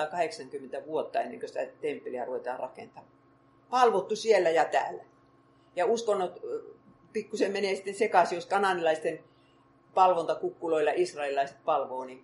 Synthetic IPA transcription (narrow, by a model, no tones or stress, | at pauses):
kɑheksɑŋkymːent̪æʋuot̪ːɑenːḛŋkøsĭ̥t̪æt̪empːeliæruʋet̪ɑ̰ːrɑ̰kḛnt̪ɑː | pɑlʋot̪ːusielːæjɑt̪æ̰ːlːæ | jɑuskonːot̪ | pikːusemmeneːsĭ̥t̪ːensekɑsijoskɑnɑnilɑist̪en | pɑlʋont̪ɑkukːuloilːɑʔisrɑililɑiset̪̚pɑlʋoːni